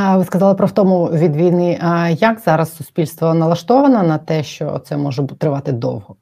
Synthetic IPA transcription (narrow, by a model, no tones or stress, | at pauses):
ʋɪskɐzɑlˠɪpɾɔwt̪ɔmʊʋʲid̪ʋʲijnɪʔjɐkzɑɾɐsːʊspʲilʲst̪ʋɔnɐlˠɐʃt̪ɔʋɐnɐnɐt̪ɛʃt͡ʃɔ̰t̪sɛmɔʒɛbt̪ɾɪʋɑt̪ɪd̪ɔ̰whɔ